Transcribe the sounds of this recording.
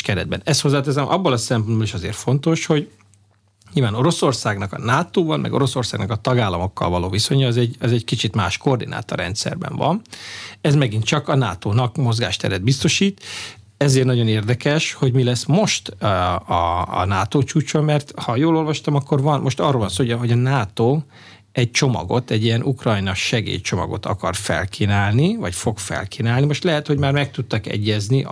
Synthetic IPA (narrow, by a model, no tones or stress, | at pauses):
kɛɾɛ̰d̪̚bɛnɛst̪ho̞zːaːt̪ɛzɛmʔɒbːolɒsɛmponbɒliʃɒzḛːrfo̞nt̪o̞ʃho̞ɟ | ɲilvaːno̞ɾo̞so̞rsaːɡnɒkɒ̰naːt̪oːvɒlmɛ̰ɡoɾo̞so̞rsaːɡnɒkɒt̪ɒɡaːlːɒmo̞kːɒ̰lvɒloːviso̞ɲɒːzɛɟɒzɛɟkit͡ʃit̪maːʃko̞rd̪inʔa̰ːt̪ɒ̰rɛ̰nt̪sɛ̰rbɛ̰ɱvɒ̰nɛzmɛɡint̪t͡ʃɒkɒna̰ːt̪oːnɒkmo̞zɡa̰ːʃt̪ɛ̰ɾɛd̪̚bist̪o̞ʃiːt̪ | ɛzeːrt̪nɒɟo̞neːrd̪ɛkɛʃho̞ɟmilɛsmo̞ʃt̪ɒ̰ːnaːt̪oːt͡ʃuːt͡ʃommɛrt̪hɒjoːlo̞lvɒʃt̪ɒmɒkːo̞rvɒnmo̞ʃt̪ɒrːolvɒnsoːoɦo̞ɟɒnaːt̪oː | ɛc̚t͡ʃo̞mɒ̰ɡo̞̰t̪ɛɟːijɛnʔukrɒjnɒʃɛɡḛːjt͡ʃo̞mɒ̰ɡo̞̰t̪ɒ̰kɒrfɛ̰lkʰiːnaːlnivɒcfo̞ɡfɛ̰lkiːnaːlnimo̞ʃt̪lɛɦɛt̪ho̞ɟmaːrmɛk̚t̪ut̪ːɒkɛ̰ɟːɛzni